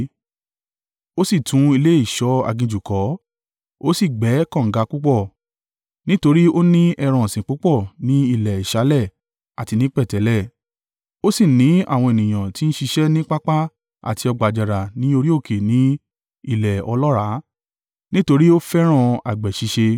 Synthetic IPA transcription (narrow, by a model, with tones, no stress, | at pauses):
o˦si˦˨tũ˨˦i˧le˦i˦˨ʃɔ˧˦a̰˨ɡĩ˧d͡ʒu˨kɔ˨˦ | o˦si˦˨ɡ͡bɛ˨˦kɔ̃˦˨ŋ̩˨ɡa˨˧˦k͡pu˦k͡pɔ˦˨ | nĩ˦to˧ɾi˦o˦nĩ˦ɛ˧ɾ̃ã˧˨sĩ˨k͡pu˨˦k͡pɔ˦˨nĩ˨˦i˦˨lɛ˨i˨ʃa˨˦lɛ˦˨ | a˨ti˧nĩ˦k͡pɛ˦˨tɛ˨˦lɛ˦˨ | o˦si˦˨nĩ˨˦a̰˦˨w̃ɔ̃˧e˨nĩ˨j̃ã˨ti˨˦n̩˦ʃi˧ʃɛ˦nĩ˦k͡pa˦k͡pa˦ | a̰˨ti˧ɔ˧ɡ͡ba˨d͡ʒa˨ɾa˨nĩ˨˦o˧ɾi˦o˦˨kʰe˨nĩ˨˦ | i˦˨lɛ˨ɔ˧lɔ˦ɾa˨˦ | nĩ˦to˧ɾi˦o˦fɛ˦ɾ̃ã˧a̰˨ɡ͡bɛ˨ʃi˧ʃe˧